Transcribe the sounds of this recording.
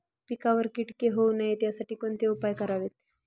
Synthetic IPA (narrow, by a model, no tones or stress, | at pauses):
pikaʋəɾkiʈkeɦonajet̪jasaʈiːkoɳt̪eupajkəɾaʋet̪̚